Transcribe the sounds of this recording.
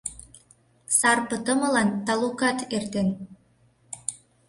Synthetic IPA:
sɑrpət̪əməlɑnt̪ɑlukɑt̪ert̪en

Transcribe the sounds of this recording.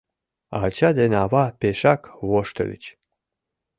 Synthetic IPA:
ɑ̰t͡ɕɑd̪enɑβɑpeʃɑkβoʃt̪ə̰lə̰t͡ɕ

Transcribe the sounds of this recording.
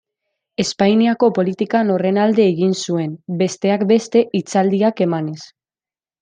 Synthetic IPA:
e̞spajniako̞po̞lit̪ikano̞re̞nald̪e̞ːɣinsue̞mbe̞st̪e̞akbe̞st̪e̞ʔit͡sald̪iake̞mane̞s

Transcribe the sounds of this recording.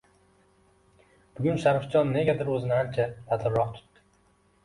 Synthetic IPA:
b̥ʊɡʲʊnʃaɾfd͡ʒɒnːe̞ɡʲad̪ɪɾɵzɪnahaɾt͡ʃʰalat̪ʰɪɾːɒqt̪ʰʊ̥t̪ːɪ̥

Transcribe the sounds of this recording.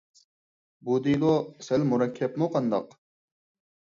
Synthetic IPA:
bud̪ilosɛlmuɾɑkʲʰːɛpmuqɑnd̪ɑq

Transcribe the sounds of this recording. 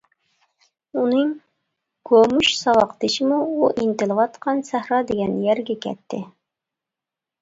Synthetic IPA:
unɨŋ | ɡ̥omuʃsɑwɑqt̪ɪʃɪmuuʔint̪ɨlˠɨvɑt̪qʰɑnsæhɾɑd̪eɡʲɛnjɛɾɡʲɛkʲʰɛ̰t̪ʰːɪ

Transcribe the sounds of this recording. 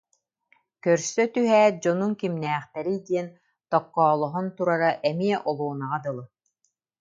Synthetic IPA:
kœɾsœt̪yɦɛːd͡ʑɔnuŋkimnɛːχt̪ɛɾid̪iɛn | t̪ɔkːɔːlˠɔɦɔnt̪uɾaɾaʔɛmiɛʔɔlˠuɔnaʁad̪ɯlˠɯ

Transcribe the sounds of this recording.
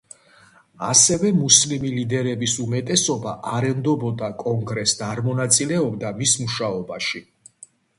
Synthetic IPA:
a̰sɛvɛmuslimilid̪ɛɾɛbisumɛt̪ʼɛsɔbaʔaɾɛmd̪ɔbɔd̪akʼɔŋɡɾɛsd̪aaɾmɔnat̪sʼilɛɔbd̪amismuʃaɔbaʃi

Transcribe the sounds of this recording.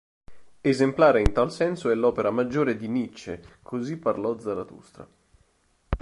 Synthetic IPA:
ezemplaːɾeint̪alsɛnsoɛlɔːpeɾamad͡ʒːoːɾed̪init͡ʃːḛkʰozipːarlɔd̪zaɾat̪ṵst̪ɾa̰

